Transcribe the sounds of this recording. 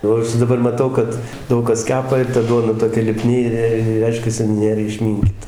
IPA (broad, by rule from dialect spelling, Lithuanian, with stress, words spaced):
ˈjɛʊ ɐʃ dɐˈbɐr mɐˈtɐʊ kɐt ˈdɐʊk kɐs ˈkʲæːpɐ ɪr tɐ ˈduɔdɐ toːˈkʲɛ lʲɪˈpʲnʲɪ ɪr ˈrʲɛɪʃʲkʲɛsʲɪ ˈnʲeːr ɪʃʲˈmʲɪŋʲkʲiːtɐ